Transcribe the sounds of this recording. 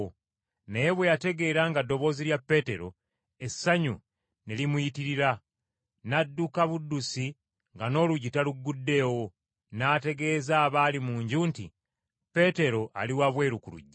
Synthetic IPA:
nejeβwe̞jate̞ɡe̞ːɾaŋɡadːo̞βo̞ːziljapːe̞te̞ɾo̞̰ | e̞sːaɲṵ | nelimujitiɾiɾa | nadːukaβudːusi | ŋɡano̞ːluɟitaluɡːudːe̞ːwo̞ | naːte̞ɡe̞ːzaːβaːlimuːɲɟuːntḭ | pe̞te̞ɾo̞ʔa̰liwaβwe̞ːɾukulṵɟːa

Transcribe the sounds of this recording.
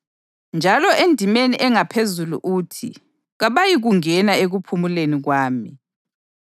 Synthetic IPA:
nd͡ʒʱalɔʔendʱimeniʔɛŋapʰezulṵʔuːtʰḭ | ɣaβajiɣuŋɛnaeɣupʰumuleniɣwaːmi

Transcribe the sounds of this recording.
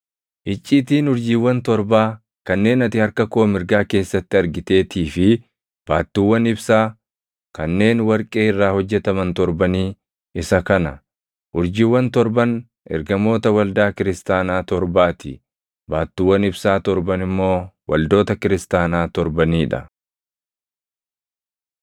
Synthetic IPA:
ʔɪt͡ʃʼːiːt̪iːnʊɾd͡ʒiːwːɐnt̪ɔɾbaː | kɐnːe̞ːnɐt̪ɪhɐɾkɐkoːmɪɾɡaːke̞ːsːɐt̪ːɪɐɾɡɪt̪e̞ːt̪ʰiːfɪ | b̥aːt̪ːɪwːɐnɪbsaː | kɐnːe̞ːnwɐɾkʼe̞ːɪrːaːhɔd͡ʒːɛt̪ɐmɐnt̪ɔɾbɐniː | ɪsɐkɐnɐ | ʔʊɾd͡ʒɪwːɐnt̪ɔɾbɐn | ʔɛ̰ɾɡɐmo̞ːt̪ɐwɐld̪aːkɪɾɪst̪aːnaːt̪ɔɾbaːt̪ɪ̰ | baːt̪ːɪːwːɐnɪbsaːt̪ɔɾbɐnɪmːo̞ːwɐ̰ld̪o̞ːt̪ɐkɪɾɪst̪aːnaːt̪ɔɾbɐniːᶑɐ̰

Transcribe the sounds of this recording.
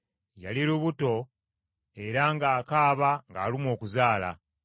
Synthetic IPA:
ja̰liɾuβuto̞ | e̞ɾaŋɡaːkaːβaŋɡaːlimwo̞ːkuzaːla̰

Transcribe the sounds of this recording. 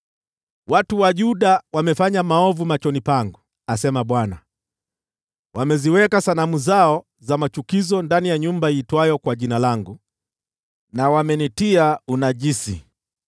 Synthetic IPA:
watuwaʄuɗawamɛfaɲamaɔvumat͡ʃɔnipaŋɡu | asɛmaɓwana | wamɛziwɛkasanamuzaɔ | zamat͡ʃukizɔndanijaɲumbaiːtwajɔkwaʄinalaŋɡu | nawamɛnitiaunaʄisi

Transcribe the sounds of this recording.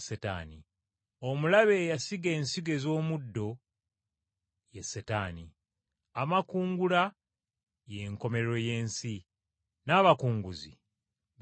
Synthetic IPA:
seta̰ːni | o̞mulaβe̞jasiɡe̞ːnsiɡe̞zo̞ːmudːo̞ | jesːetaːni | amakuːŋɡula | je̞ŋko̞me̞ɾɾo̞je̞ːnsi | naːβakuːŋɡuzḭ

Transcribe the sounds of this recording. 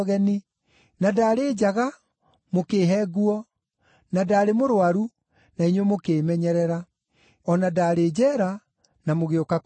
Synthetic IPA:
ɣɛni | nadaːɾeːd͡ʑaɣa | mokeːɦɛɣuɔ | nadaːɾemoɾwaɾu | naiɲwemokeːmɛɲɛɾɛɾa | ɔnadaːɾed͡ʑɛːɾa | namoɣeokak

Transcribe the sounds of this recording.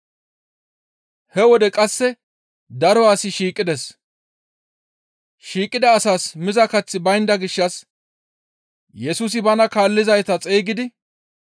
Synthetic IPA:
hɛwɔd̪ɛkʼɐsːɛ | d̪ɐɾɔwaːsɪʃiːkʼːɪd̪ɛs | ʃiːkʼɪd̪ɐːsaːsmɪzɐkɐt͡sːɪbɐjnd̪ɐɡɪʃːɐs | jɛsus̬ɪbɐnɐkaːlːɪzɐjt̪ɐt͡sʼeːɡɪd̪ɪ

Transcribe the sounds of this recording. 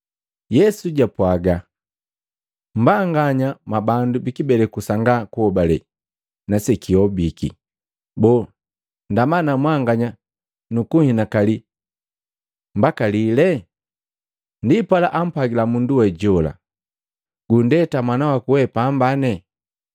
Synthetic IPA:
jɛsuɟapwaɡa | m̩baŋɡaɲamabandubikibɛlɛkusaŋɡakuɔbalɛ | nasɛkiɔbikḭ | bɔ | ndamanamwaŋɡaɲa | nukuhinakali | mbakalilɛ | ndipwalaʔam̩pwaɡilamunduwɛɟɔla̰ | ɡundɛtamwanawakuwɛpambanɛ

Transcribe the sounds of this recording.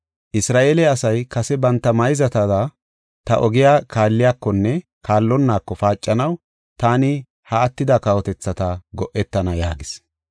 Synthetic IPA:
ʔɪsɾaːʔeːlɛɐsɐjkɐsɛbɐnt̪ːɐmɐjzɐt̪ɐd̪ɐ | t̪ɐ̰ʔɔɡɪjaːkʰaːlːɪjaːkːɔnːɛ | kʰaːlːɔnːaːkːɔfaːt͡ʃʼːɐnɐw | t̪aːnɪ | hɐɐt̪ːɪd̪ɐkɐwɔt̪ɛt͡sːɐt̪ɐɡɔʔːɛt̪ːɐnɐja̰ːɡɪs

